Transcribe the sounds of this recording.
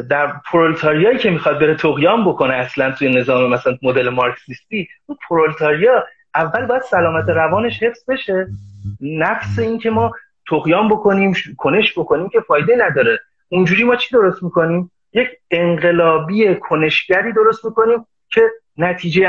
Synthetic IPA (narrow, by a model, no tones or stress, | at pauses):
d̪æɾpʰoɾolt̪ʰɒːɾijɒːjiːcʰe̞mixɒd̪̚be̞ɾet̪ʰoɣjɒːmbo̞kʰo̞neæslænt̪ʰuːje̞ne̞zɒːmemæsælænmod̪e̞lemɒɾksist̪iːunpʰoɾolt̪ʰɒːɾijɒː | ʔævːælbɒːjæd̪̥sælɒːmæt̪ʰe̞ɾævɒːne̞ʃhe̞fsbe̞ʃe̞ | næfse̞iːncʰe̞mɒː | t̪ʰoɣjɒːmbo̞kʰo̞niːmʃkʰone̞ʃbo̞kʰo̞niːmcʲʰe̞fɒːjd̪enæd̪ɒːɾe̞ | und͡ʒuːɾiːmɒːt͡ʃʰiːd̪o̞ɾo̞st̪miːko̞niːm | jecʰe̞ŋɢe̞lɒːbije̞kʰo̞ne̞ʃɟæɾiːd̪o̞ɾo̞st̪miko̞niːm | cʰe̞ | næt̪ʰiːd͡ʒe